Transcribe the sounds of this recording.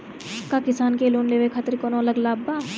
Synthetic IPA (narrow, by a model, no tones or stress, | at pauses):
kakɪsaːnkeloːnleːʋekʰat̪ɾkoːnõɐləɡlaːbːaː